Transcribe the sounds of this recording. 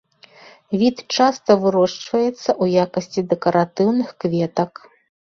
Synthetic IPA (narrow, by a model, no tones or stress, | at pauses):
vʲit̪t͡ʂast̪ɐvɨɾɔʂt͡ʂvɐjɛt̪sːɐʔujakɐsʲt͡sʲid̪ɛkɐɾat̪ɨwnɨxkvʲɛt̪ɐk